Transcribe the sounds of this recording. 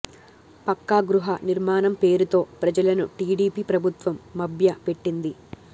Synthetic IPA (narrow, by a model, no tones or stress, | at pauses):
pɐkːaɡɾuɦɐniɾmaːnɐmpe̞ːɾut̪o̞ːpɾɐd͡ʒɐlɐnuʈiːɽiːpiːpɾɐbʱut̪ʋɐmːɐbʱjɐpe̞ʈːind̪i